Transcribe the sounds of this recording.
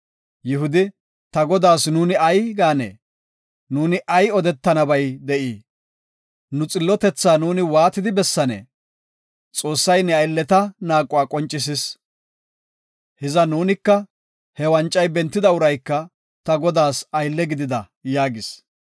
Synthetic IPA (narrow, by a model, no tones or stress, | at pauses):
jɪɦʊd̪ɪ | t̪ɐɡɔd̪aːsnuːnɪɐjɡaːnɛ̰ː | nuːnɪʔɐjɔd̪ɛt̪ːɐnɐbɐjd̪ɛʔiː | nʊt͡sʼɪlːɔt̪ɛt͡sːaːnuːnɪwaːt̪ɪd̪ɪbɛsːɐnɛ̰ | t͡sʼo̞ːsːɐjnɛɐjlːɛt̪ɐnaːkʼːʊaːkʼɔnt͡ʃʼːɪs̬ɪs | hɪzɐnuːnɪkːɐ | hɛwɐnt͡ʃʼːɐjbɛnt̪ːɪd̪ɐʊɾɐjkːɐ | t̪ɐɡɔd̪aːsɐjlːɛɡɪd̪ɪd̪ɐ | jaːɡɪs